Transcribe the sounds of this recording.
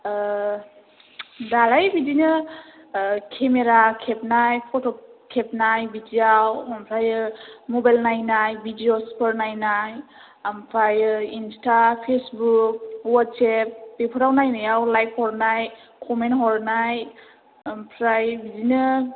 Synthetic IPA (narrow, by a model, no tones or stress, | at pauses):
dalajbidinɯ | kʰemeɾakʰep̚najpʰɔtʰɔkʰep̚najbidiawampʰɾajɯmɔbajlnajnajbidiospʰəɾnajnaj | ampʰɾajinstapʰesbuk̚wat̚sep̚pepʰɔɾawnajnajawlajp̚ʰhɔɾnaj | kʰɔmentɦɔɾnaj | ampʰɾajbizinɯ